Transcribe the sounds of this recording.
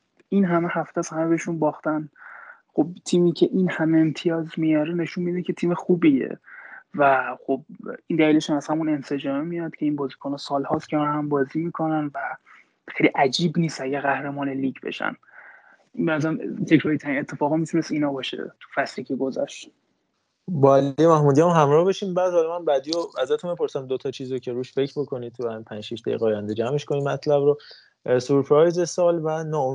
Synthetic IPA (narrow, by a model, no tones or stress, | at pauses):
inɦæmehæft̪æshæmebeeʃunbɒːxt̪ænxob̚t̪ʰiːmiːcʰeʔinhæmeent̪ʰijɒːzmijɒːɾene̞ʃunmid̪ecʰʲe̞t̪ʰiːmexuːbiḛvæxob̚ind̪æliːle̞ʃunæz̥hæmune̞nse̞d͡ʒɒːmemijɒd̪̥cʰe̞iːnbɒːzikʰonɑːsɒːlhɒːst̪cʰeænhæmbɒːziːmikʰo̞nænvæ | xejliʔæd͡ʒiːbniːst̪æɟæɣæhɾemɒːneliɟbḛʃæ̰n | benæzæɾæmt̪ʰe̞kʰɾoɾit̪ʰæɾinet̪ʰːefɒːɣimit̪ʰunesinɒbɒʃḛt̪ʰu̥fæsɾikʰiɡozæ̰ʃt̪ | bɒælijemæhmuːd̪ijæmɦæmɾɒːhbeʃiːmbæːd̪hɒlɒmænbæd̪ioæzæt̪ʰunbepo̞ɾsæmd̪ot̪ʰɒt͡ʃʰiːzɾocʰe̞ɾuːʃfe̞cʰɾbo̞kʰo̞nid̪̚t̪ʰuæpʰænd͡ʒʃiʃd̪æ̰jḭɣɛɒːjænd̪ed͡ʒæme̞ʃko̞nimæt̪ʰlæbɾo | suɾpʰɾɒjze̞sɒːlvænɒːo